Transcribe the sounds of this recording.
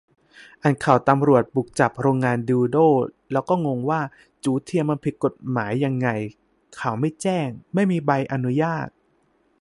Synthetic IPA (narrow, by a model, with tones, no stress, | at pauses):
ʔa˨˩nkʰa˨˩wt̪a˧mɾu˨˩ət̪̚bu˨˩k̚t͡ɕa˨˩p̚ɾoː˧ŋːaː˧ndiː˧doː˥˩lɛː˦˥wkɔː˥˩ŋo˧ŋwaː˥˩ | t͡ɕuː˨˩˦t̪ʰi˧əmːa˧npʰi˨˩t̪̚ko˨˩t̪̚maː˩˦jːa˧ŋːa˧j | kʰa˨˩wma˥˩jt͡ɕɛː˥˩ŋma˥˩jmiː˧ba˧jʔa˧nu˦˥jaː˥˩t̪̚